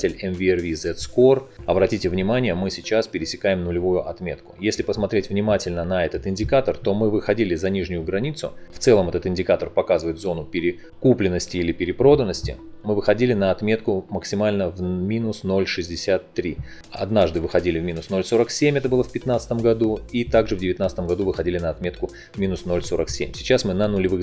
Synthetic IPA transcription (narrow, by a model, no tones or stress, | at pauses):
tʲɪlʲɛmvʲɪɛrvʲizɛt̪skorɐbɾɐtʲitʲɪvnʲɪmanʲɪjəmɨsʲɪt͡ɕaspʲɪɾʲɪsʲɪkajɪmnʊlʲɪvujʊʔɐt̪mʲe̞̰t̪kʊ̥jesʲlʲɪpəsmɐt̪ɾʲetʲvnʲɪmatʲɪlʲnənɐɛt̪ət̪ɪnʲdʲɪkat̪ərt̪o̞mɨvɨxɐdʲilʲɪzɐnʲiʐnʲʊjʊɡɾɐnʲit̪sʊ̰ft̪sɛlˠəmɛt̪ət̪ɪnʲdʲɪkat̪ərpɐkazɨvəjɪt̪zo̞nʊpʲɪɾʲɪ | kuplʲɪnːəsʲtʲɪilʲɪpʲɪɾʲɪpɾo̞d̪ənːəsʲtʲɪ̰mɨvɨxɐdʲilʲɪnəɐt̪mʲe̞t̪kʊməksʲɪmalʲnəvmʲinʊsno̞lʲʂɨzʲdʲɪsʲat̪ːɾʲi | ɐ̰d̪naʐd̪ɨvɨxɐdʲilʲɪvmʲinʊsno̞lʲso̞ɾəksʲemʲɛt̪əbɨlˠəfʲpʲɪt̪nat̪sə̥t̪əmɡɐd̪uit̪aɡʐɨvdʲɪvʲɪt̪nat̪sət̪əmɡɐd̪uvɨxɐdʲilʲɪnəɐt̪mʲe̞t̪kʊ | vmʲinʊsno̞lʲso̞ɾəksʲemʲsʲɪt͡ɕasmɨnənʊlʲɪvɨ